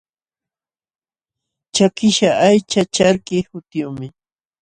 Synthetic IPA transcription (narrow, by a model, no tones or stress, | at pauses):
t͡ʃakɪʃaʔajt͡ʃat͡ʃaɾkɪhʊt̪ɪjʊmɪ